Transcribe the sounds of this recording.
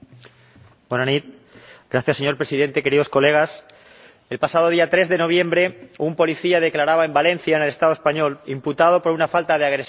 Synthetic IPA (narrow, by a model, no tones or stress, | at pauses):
bonanit̪̚ | ɡ̥ɾaθjasːeɲo̞ɾpɾesiðe̞nt̪e̞ke̞ɾiðo̞sko̞le̞ɣ̞as | e̞lpasað̞o̞ð̞iat̪ɾe̞zðe̞no̞β̞jẽ̞mbɾe̞umpo̞liθiað̞e̞klaɾaβaembalẽ̞nθjaenelest̪aðoe̞spaɲo̞limput̪að̞o̞po̞ɾunafalt̪aðeaɣ̞ɾes